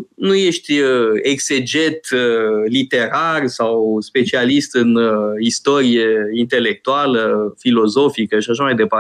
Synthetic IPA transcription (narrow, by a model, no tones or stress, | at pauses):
nuje̞ʃt̪ʲəeɡse̞d͡ʒe̞t̪lit̪e̞ɾarsawspe̞t͡ʃialist̪ɨnist̪o̞ɾijeint̪e̞le̞k̚t̪ualəfilo̞zo̞fikəʃiaʃamajd̪e̞par